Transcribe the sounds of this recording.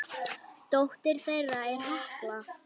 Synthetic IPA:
t̪owht̪ɪɾ̥θejraɛɾ̥hahkla

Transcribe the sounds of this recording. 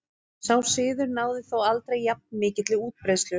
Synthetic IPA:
saw̥sɪːðʏɾnaːwðɪθowalt̪ɾejːap̚nmɪːcɪt̪lɪuːt̪̚pɾejst̪lʏ

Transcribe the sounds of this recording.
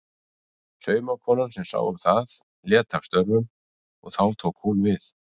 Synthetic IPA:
sœːɥmakʰvɔːnansɛmsa̰ːwʏmθað | ljɛːt̪ʰafst̪œɾvʏm | ɔ̰ɣθawt̪ʰoːwkhunvɪθ

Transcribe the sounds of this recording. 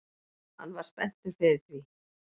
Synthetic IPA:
ha̰nːvaɾ̥spɛn̥t̪ʏɾ̥fɪðɪɾθvi

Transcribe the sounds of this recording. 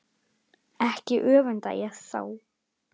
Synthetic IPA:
ɛhcɪʔœːvʏnt̪a̰j̰aðsa̰ːw

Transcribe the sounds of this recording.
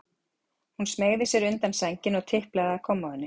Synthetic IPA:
hunsmeːjɣðɪsjɛɾʏnt̪ansɛɲcɪnɔɣt̪ʰɪhplaɣaakʰɔmːaðʏnːɪ

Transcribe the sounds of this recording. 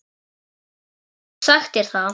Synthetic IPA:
saxt̪ɛɾ̥θa

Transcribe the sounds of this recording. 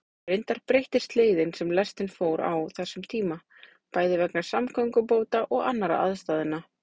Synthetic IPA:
ɾɪnt̪aɾpɾejht̪ɪst̪leːjðɪnsɛmlɛst̪ɪnfoːwɾa̰wθɛsːʏmt̪ʰiːma | paːjðɪvɛknḁsamkʰœŋkʏpoːwt̪aʔɔɣa̰nːaɾa̰ʔa̰ðst̪aːðɪnːa

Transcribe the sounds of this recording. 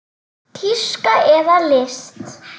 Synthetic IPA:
tʰiʂkʼaʔɛðalɪst̪

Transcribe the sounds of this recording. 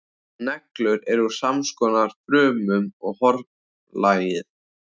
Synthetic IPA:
nɛklʏɾɛɾuɾ̥samskɔːnaɾ̥fɾœːmʏmɔɣhɔɾ | laːjɪθ

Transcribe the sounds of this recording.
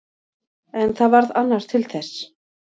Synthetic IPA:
ɛnθaðvaɾðanːaɾ̥t̪ʰɪlθɛs

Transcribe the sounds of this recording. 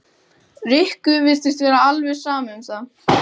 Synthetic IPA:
rɪhkʏvɪst̪ɪst̪vɛːɾaalvɛsaːmʏmsa

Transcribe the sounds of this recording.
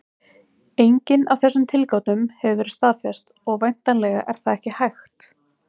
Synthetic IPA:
ejɲcɪnawθɛsːʏmt̪ʰɪlkawt̪nʏmhɛvʏvɛːɾɪ̥st̪aːfjɛst̪ɔɣvajn̥t̪anlɛːɣa̰ʔɛɾ̥θaðɛhcɪhajxt̪

